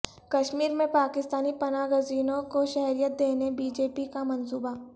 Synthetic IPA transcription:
kɐʃmiːɾmẽpaːkɪst̪aːnipɐnaːɡəziːnõkoʃɛɦɾijət̪̚d̪eːnebiːd͡ʒeːpikamɐnsuːba

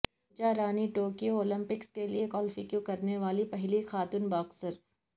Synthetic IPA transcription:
d͡ʒaɾaːniʈoːkijooːlɪ̃mpɪkskeliekɔːlfɪkjokɐɾneʋaːlipɛɦlixaːt̪uːnbaːksəɾ

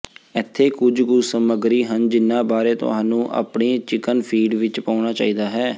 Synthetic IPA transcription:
ɪt̪ʰːeːkʊd͡ʒɡʊsəməɡɾiːɦənd͡ʒɪnːãːbaːɾeːt̪ʊ̰ɦãːnũːʔa̰ːpɳiːt͡ʃɪkənpʰiːɖʋɪt͡ʃpaːʊɳ̃aːt͡ʃa̰ːiːd̪aːɦɛː

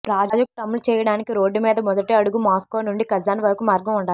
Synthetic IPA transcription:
pɾaːd͡ʒaːd͡ʒɐk̚t̪ɐmːulut͡ʃɛːjɐɽaːnikiɾo̞ːɖːumiːd̪ɐmɔd̪ɐʈeːɐɽuɡumaːskoːnuɳɖikɐzaːniʋɐɾɐkumaːɾɡɐmuɳɖaːi

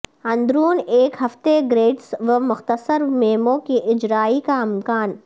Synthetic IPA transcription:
ɐ̃nd̪ɾuːneːkɦɐft̪eɡɾeːʈsʋəmʊxt̪əsəɾmeːmõkiʔɪd͡ʒɾaːikaɪmkaːn

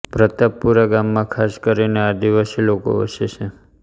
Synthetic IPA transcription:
pɾət̪əppuɾaɡamːãkʰaskəɾinead̪iʋəʃeloko̰ʋə̰ʃet͡ʃʰe

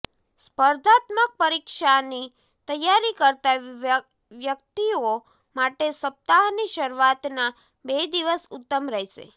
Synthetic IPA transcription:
spəɾd̪ʱat̪mək̚pəɾikʃani | t̪əjːaɾikəɾt̪a | ʋjək̚t̪io | maʈesəp̚t̪aɦniʃəɾuʋat̪na | bed̪iʋəsʊt̪ːəmɾəɦeʃḛ

